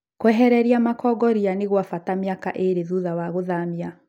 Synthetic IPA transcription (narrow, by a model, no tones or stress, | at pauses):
kwɛɦɛɾɛɾiamakɔɡɔɾianeɣwafatamjaka̰ʔeɾeðuðawaɣoðamia